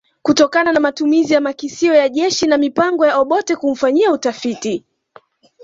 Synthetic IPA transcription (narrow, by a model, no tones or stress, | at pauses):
kutɔkananamatumizijamakisiɔjaʄɛʃinamipaŋɡɔjaɔɓɔtɛkum̩faɲiautafiti